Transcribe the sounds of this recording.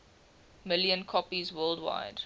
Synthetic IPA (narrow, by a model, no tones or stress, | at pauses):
mɪljə̃nkʰɔpizwɜːldwa̰ɪd